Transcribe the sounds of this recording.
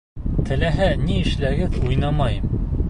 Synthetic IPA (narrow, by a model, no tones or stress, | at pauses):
t̪ʰɘ̆læɦæniɘ̆ʃlæɡɘðujnɑmɑjɤm